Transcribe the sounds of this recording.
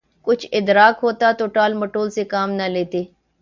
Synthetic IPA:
kʊt͡ʃʰɪd̪ɾaːkɦoːt̪at̪oːʈaːlməʈoːlsekaːmnɐleːt̪eː

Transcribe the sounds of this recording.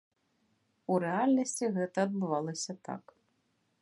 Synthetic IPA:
uɾɛalʲnɐsʲt͡sʲiɣɛt̪ɐːd̪̚bɨvalˠɐsʲɐt̪a̰k

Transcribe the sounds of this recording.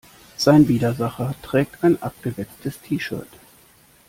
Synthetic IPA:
z̥aɪnviːdɐzaχɐtʁ̥ɛːk̚tʰaɪnʔap̚ɡ̥əvɛk̚tʰəstʰiːʃœ̰ɐt

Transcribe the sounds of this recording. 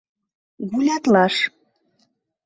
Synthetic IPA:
ɣulʲɑt̪lɑʃ

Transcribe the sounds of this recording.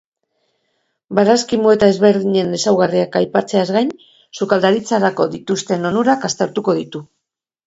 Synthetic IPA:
baɾaskimue̞t̪ae̞zβe̞ɾðiɲe̞nesawɣariakajpat͡se̞azɣajn | sukald̪aɾit͡saɾako̞ðit̪ust̪e̞no̞nuɾakast̪eɾt̪uko̞ðit̪u

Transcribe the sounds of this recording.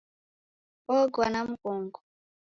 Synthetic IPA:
ɔɡwanamukɔŋɡɔ

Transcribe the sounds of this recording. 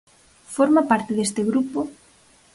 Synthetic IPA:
foɾmapaɾt̪eðest̪eɣɾupo

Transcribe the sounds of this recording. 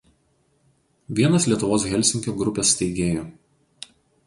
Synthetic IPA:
ʋʲiɛnɐslʲiɛt̪ʊʋoːs̬ɣʲɛlʲˑsʲɪŋʲkʲoːɡɾʊpʲɛsʲt̪ʲɛɪɡʲeːjoː

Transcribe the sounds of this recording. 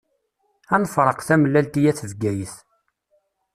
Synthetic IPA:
ænfɾˤəqθæməlːælt̪ijæθəvɡæjəθ

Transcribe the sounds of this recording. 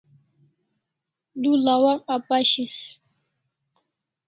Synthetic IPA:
dulawaŋapʼaʃis

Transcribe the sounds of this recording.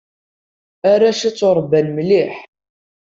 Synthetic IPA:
aɾaʃit͡sːʊɾˤbːænmliħ

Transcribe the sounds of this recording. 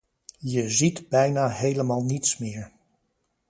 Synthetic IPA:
jəzitbɛjnaːɦejləmaːlˠnitsmɪːɹ

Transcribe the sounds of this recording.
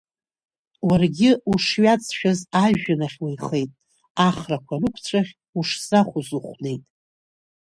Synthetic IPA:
warɡʲɪuʂɥat͡sʰʼʃᶣazaʒᶣanaχʲwejχe̞jtʼ | aχrakʷʰarɨkʷʰt͡sʷʰʼaχʲ | uʂz̥aχʷuzuχʷne̞jtʼ

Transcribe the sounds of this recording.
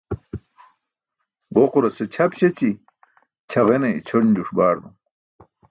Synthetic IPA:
ʁoquɾɐset͡ɕʰɐpɕet͡ɕi | t͡ɕʰɐʁenɐḭt͡ɕʰoɾnd͡ʑuʂbaːɾd̪u

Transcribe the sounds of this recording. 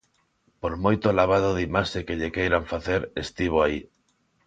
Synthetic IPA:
poɾmojt̪olaβ̞aðoðimasekeʎekejɾaɱfaθeɾest̪iβ̞oai

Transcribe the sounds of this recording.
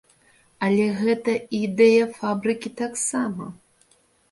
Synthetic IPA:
ɐlʲɛɣɛt̪ɐid̪ɛjɐfabɾɨkʲit̪aksamɐ

